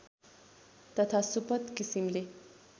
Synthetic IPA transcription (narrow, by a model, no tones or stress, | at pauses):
t̪ət̪ʰasupət̪kisimle